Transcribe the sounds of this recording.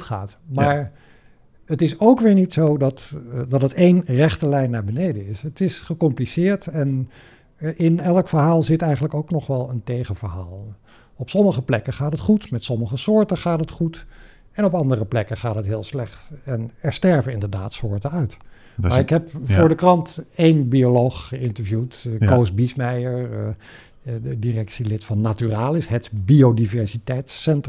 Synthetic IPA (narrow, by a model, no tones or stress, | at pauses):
tχa̰ːt | maːɹ | ətɪsowkʋɪːɹnitsowdɑtdɑtətejnrɛχtəlɛjnːaːɹbənejdəɪsətɪsχəkɔmplisɪːɹtɛn | ɪnɛlˠəkfəɹɦaːlˠzɪtɛjχən̩ləkowknɔχʋɛlˠəntejχənvəɹɦa̰ːlˠ | ɔpsɔməχəplɛkəχaːtətχutmɛtsɔməχəsʊːɹtəχaːtɦətχut | ɛnɔpɑndərəplɛkəχaːtɦətɦɪːlˠslɛχtɛnɛɹstɛɹvənɪndəɹdaːtsʊːɹtənœɥt | maɪkɦɛpfʊːɹdəkrɑntejnbiolowχχəɪntəɹvjutkowsbismɛjəɹ | dirɛksilɪtfɑnːatyraːlˠɪsɦɛtbiodivɛɹsitɛjtsɛnt